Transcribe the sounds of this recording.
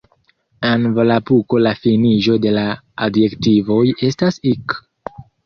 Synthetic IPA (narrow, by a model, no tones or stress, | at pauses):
envolapuko̞lafiniʒo̞de̞la | adje̞ktivo̞je̞stasik